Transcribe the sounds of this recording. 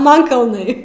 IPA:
ˈmɐn kɐlˠˈnɐɪ

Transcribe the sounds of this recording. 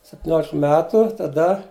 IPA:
sʲɛpʲtʲɪˈnʲoːlʲɪk ˈmʲæːtʊ tɐˈdɐ

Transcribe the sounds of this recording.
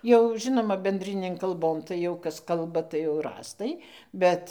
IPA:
jɛʊ ˈʒʲɪnoːmɐ bʲɛn dʲrʲɪnʲeːn kɐlˠˈboːn tɐɪ jɛʊ ˈkɐs ˈkɐlˠbɐ tɐɪ jɛʊ rɑːstɐɪ ˈbʲɛt

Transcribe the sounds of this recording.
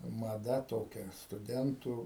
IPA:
mɐˈdɐ ˈtoːkʲɛ stʊˈdʲɛntuː

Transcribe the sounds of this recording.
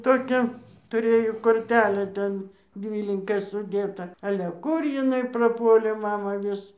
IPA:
ˈtoːkʲæː tʊˈrʲeːjoː koːrʲˈtʲæːlʲæː ˈtʲɛn ˈdʲʋʲiːlʲɪŋkɐ sʊˈdʲeːtɐ ˈɑːlʲɛ ˈkʊr jɪˈnɐɪ prɐˈpuɔlʲeː ˈmɑːmɐ ˈʋʲɪs

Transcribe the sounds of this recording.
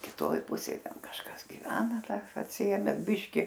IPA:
kʲɪˈtoːj ˈpʊsʲeːj ˈtʲɛn kɐʃˈkɐs ɡʲɪˈʋʲæːnɐ dɐr ɐtʲsʲɪˈeːmʲɛ ˈbʲɪʃʲkʲɪ

